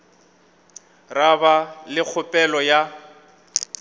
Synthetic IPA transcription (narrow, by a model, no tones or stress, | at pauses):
rabalɪk͡xʰʊpʼɛlɔja